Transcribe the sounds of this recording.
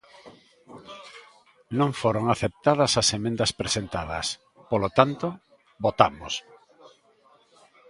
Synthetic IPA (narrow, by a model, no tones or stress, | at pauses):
nõŋfoɾoŋaθep̚t̪að̞ɐsasemẽnd̪ɐspɾesent̪aðɐ̰s | polot̪ant̪o | bot̪amos